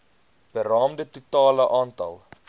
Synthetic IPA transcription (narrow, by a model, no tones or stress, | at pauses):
b̥ərɑːmdətutɑːləʔɑːntɐ̰lˠ